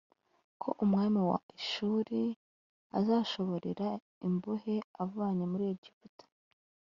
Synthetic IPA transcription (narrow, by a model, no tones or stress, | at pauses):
kʰo̞ʔumŋaːmiwa̰iʃuːɾi | a̰zaːʃo̞βo̞ɾeɾa | imbuheavuβaɲemuɾiɟifutḁ